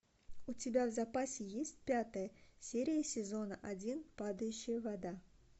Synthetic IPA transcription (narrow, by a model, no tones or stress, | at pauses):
ʊtʲɪbʲavzɐpasʲɪjesʲtʲpʲat̪əjəsʲeɾʲɪjəsʲɪzo̞nəʔɐdʲinpad̪əjʉɕːɪjəvɐd̪a